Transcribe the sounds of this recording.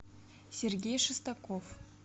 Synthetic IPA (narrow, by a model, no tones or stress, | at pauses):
sʲerɡʲejʂɨst̪akof